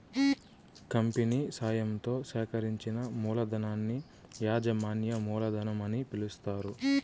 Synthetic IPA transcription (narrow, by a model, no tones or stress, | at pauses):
kɐmpiniːsaːjɐmt̪o̞ːʃɛːkɐɾiɲt͡ʃinɐmuːlɐd̪ɐnaːnːi | jaːd͡ʒɐmaːnjɐmuːlɐd̪ɐnɐmɐnipilust̪aːɾu